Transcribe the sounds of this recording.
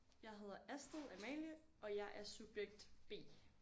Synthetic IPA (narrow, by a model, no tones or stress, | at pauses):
jɑ̈ɪɦe̝ð̞̰ˠɐæsd̥əðˠæmɛ̰ːljəʔɒ̽jɑ̈ɪʔæɐsub̥jeɡ̥̚d̥b̥e̝̰ː